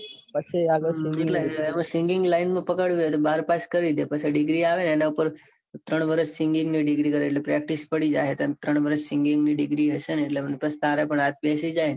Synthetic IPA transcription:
pət͡ʃʰeaɡəd͡ʒeʈlemãsɪ̃ŋɡɪŋɡlainmãpəkəɽʋjet̪obaɾpaskəɾid̪epət͡ʃʰeɖɪɡɾiaʋenenaupəɾ | t̪ɾəɳ̃ʋəɾəʃsɪŋɡɪ̃ŋɡniɖɪɡɾikəɾeːʈlepɾɛk̚ʈispəɽid͡ʒa̰ɦet̪ant̪ɾəɳʋəɾəʃsɪ̃ŋɡɪ̃ŋɡniɖɪɡɾiɦəʃeneeʈlemənipəst̪aɾepəɳat̪besid͡ʒajn

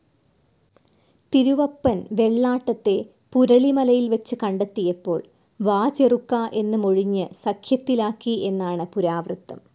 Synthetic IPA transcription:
t̪iɾuʋɐpːɐnʋe̞ɭːaːʈːɐt̪ːe̞ | puɾɐɭimɐlɐjilʋɐt͡ɕːɨkɐɳɖɐt̪ːijɐpːo̞ːɭ | ʋaːt͡ɕerukːaʔe̞nːɨmoɻiɲːɨsɐkʰjɐt̪ːilaːkːiʔe̞nːaːɳɨpuɾaːʋrɨt̪ːɐm

